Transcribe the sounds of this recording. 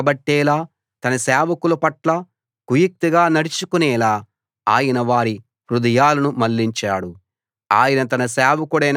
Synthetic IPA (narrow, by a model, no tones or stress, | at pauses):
ɐbɐʈːɛːlaː | t̪ɐnɐsɛːʋɐkulɐpɐʈlɐ | kujik̚t̪iɡaːnɐɽit͡ʃukunɛːlaː | aːjɐnɐʋaːɾi | pɾud̪ɐjaːlɐnumɐlːiɲt͡ʃaːɽu | aːjɐnɐt̪ɐnɐsɛːʋɐkuɽɐjn